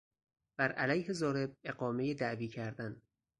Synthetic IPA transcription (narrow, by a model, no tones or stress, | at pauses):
b̥æɾʔælæjhe̞zɒːɾe̞b̚e̞ɢɒːme̞jed̪æʔviːcʰæɾd̪æn